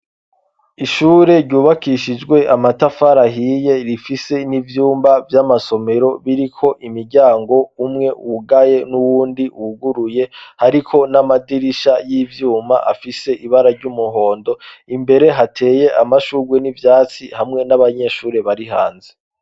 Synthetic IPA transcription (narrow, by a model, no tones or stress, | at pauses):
iʃuːɾe̞ɾɟuːβakiʃid͡ʒɡwe̞ʔamatafaɾaɦije̞ɾifise̞nivjuːmbavjamaso̞me̞ɾo̞βiɾikʰo̞ʔimiɾɟaːŋɡo̞umŋe̞ʔuɡaje̞nuwuːndiʔuɡuɾuje̞haɾikʰo̞namadiɾiʃajivjuːma̰ʔafise̞ʔiβaɾaɾɟumuɦo̞ːndo̞imbe̞ɾe̞ɦatʰe̞ːje̞ʔamaʃuɡwe̞nivjaːt͡sihamŋe̞naβaɲe̞ʃuːɾe̞βaɾiɦa̰ːnze